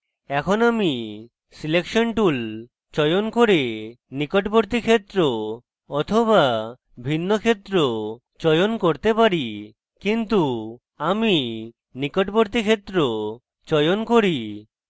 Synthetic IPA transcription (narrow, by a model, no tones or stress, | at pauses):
ɛkʰonami | silekʃonʈul | t͡ɕɔjonkoɾe | nikoʈboɾt̪ikʰet̪ːɾo | ɔt̪ʰoβa | bʱinːokʰet̪ːɾo | t͡ɕɔjonkoɾt̪epaɾi | kint̪u | ami | nikoʈboɾt̪̬ikʰet̪ːɾo | t͡ɕɔjonkoɾi